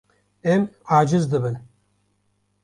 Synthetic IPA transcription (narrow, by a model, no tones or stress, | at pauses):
ɛmʕaːd͡ʒɨzd̪ɨbɨn